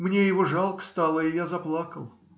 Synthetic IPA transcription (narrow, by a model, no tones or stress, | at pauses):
mnʲejɪvoʐɑlˠkə̥st̪ɑlˠəɪjazɐplˠakəlˠ